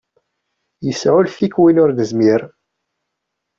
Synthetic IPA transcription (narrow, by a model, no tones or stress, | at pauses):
jəsʕʊlθikwinʊɾðəzmiɾ